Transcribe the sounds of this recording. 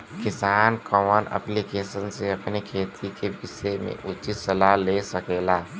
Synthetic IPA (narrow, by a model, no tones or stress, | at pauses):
kɪsaːnkɔmənə̰plikeːʃənseɐpnekʰeːt̪ʰikebɪsemḛ̃ʔʊt͡ʃɪt̪səlaɦleːsəkeːlaː